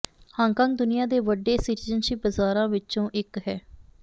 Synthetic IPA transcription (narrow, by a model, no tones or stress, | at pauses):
hãːŋkãːŋk̚d̪ʊnɪjãːd̪eːʋəɖːeːsɪʈiːzənʃibəzaːɾãːʋɪt͡ʃõːʔɪkɦɛː